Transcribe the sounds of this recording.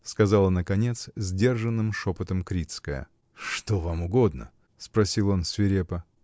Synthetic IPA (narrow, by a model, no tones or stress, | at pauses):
skɐzalˠənəkɐnʲe̞t̪szʲdʲe̞rʐɨnːɨmʂopət̪əmkɾʲit̪skəjə̰ | ʂt̪ovamʊɡod̪nə̰ | spɾɐsʲilˠo̞nsʲvʲɪɾʲepə